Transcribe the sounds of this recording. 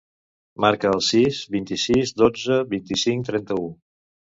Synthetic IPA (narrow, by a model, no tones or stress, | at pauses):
maɾkəːlˠsizbint̪isizd̪od͡zəβint̪isiŋkt̪ɾɛnt̪əu